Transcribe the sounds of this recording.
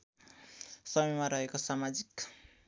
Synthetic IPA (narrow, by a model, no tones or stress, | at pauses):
sʌmʌjmaɾʌɦekosamad͡zik